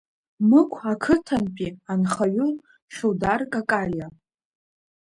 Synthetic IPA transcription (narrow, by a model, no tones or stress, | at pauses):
mɨkʷʰakʰɨtʰanpʼianχaɥʊl | ʃowdarkʼakʼalja